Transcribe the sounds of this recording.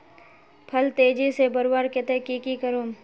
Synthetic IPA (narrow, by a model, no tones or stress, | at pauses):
pʰɐlt̪eːd͡ʒisebəɾwaːɾkɪt̪ekikikəɾoːm